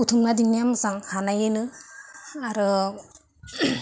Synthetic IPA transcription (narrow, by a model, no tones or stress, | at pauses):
utʰumnadinijamsaŋhanajɯnɯ | aɾɯ